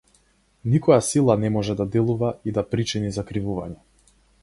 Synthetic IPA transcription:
nikɔjasilˠanɛmɔʒɛd̪ad̪ɛlˠuvaid̪apɾit͡ʃinizakɾivuvaɲɛ

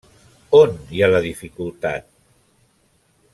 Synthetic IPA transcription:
onjaləðifikulˠt̪a̰t̪̚

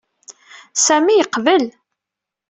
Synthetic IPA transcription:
sæmijəqvəl

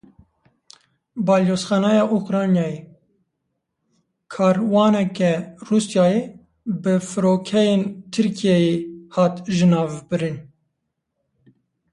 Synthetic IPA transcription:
bɑːljoːsxɑːnɛjɑːʔukɾɑːnjɑːje | kʰɑːɾwɑːnɛkɛruːsjɑːje | bɨfɨɾoːkʰɛjeːnt̪ʰɨɾkʰijɛjehɑːt̪ʒɨnɑːvbɨɾɨn

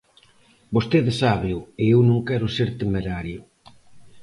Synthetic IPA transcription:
bost̪eðesaβeʊeewnõŋkɛɾʊseɾt̪emeɾaɾjʊ

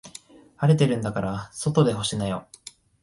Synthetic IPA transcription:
aɾe̞t̪e̞ɾɯ̟̃nd̪akaɾaso̞t̪o̞d̪e̞ɦo̞ɕinajo̞

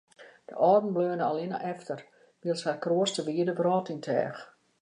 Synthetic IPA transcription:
d̥ə̰ʔɔːrdn̩bløːnəalina̰ʔɛftər | ʋiəlˠsharkroəstəʋiədəbərɔːtɪŋtʰɛ̰ːx

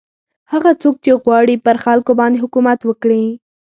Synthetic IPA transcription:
haɣat͡sok̚t͡ʃeɣwɑɽipəɾxalkobɑnd̪eɦʊkumat̪wəkɽi

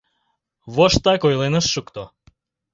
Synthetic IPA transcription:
βoʃt̪ɑkojlˠenəʃːukt̪o

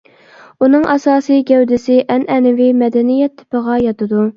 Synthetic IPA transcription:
unɨŋʔɛsɑːsɨjɡʲɛwd̪ɪsɪʔɛnʔɛnɪvimɛd̪ɛnijɛt̪ʰːɪ̥pəʁɑjɑt̪ɨd̪u

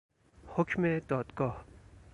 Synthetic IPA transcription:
hʊkʰmẽt̪ɔːt̪kɔ

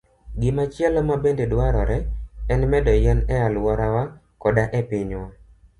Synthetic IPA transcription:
ɡɪmat͡ʃjɛlɔmabendedwaɾɔɾɛɛnmɛdɔjɛnɛalwɔɾawa | kɔdaʔɛpɪɲwa

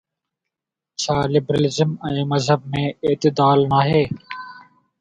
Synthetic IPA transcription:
t͡ʃʰaːlɪbɾaːlɪzəmɛ̃ːməzɦəb̚mẽːɪt̪ɪd̪aːlnaːɦeː

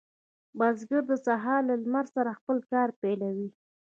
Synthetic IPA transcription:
bɑzɡəɾd̪əsaɦɑɾlalmaɾsaɾaxpəlkɑɾpelawi

